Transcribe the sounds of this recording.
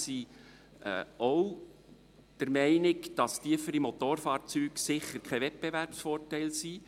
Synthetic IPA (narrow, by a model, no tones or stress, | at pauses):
sḭː | ow | d̥əɾmɛɪnɪɡd̥ɑstiəfəɾimot̪oːrfɑːɾt͡syːksɪχəɾkʰɛʋɛt̚b̥eværpsfɔːrtɛɪlsi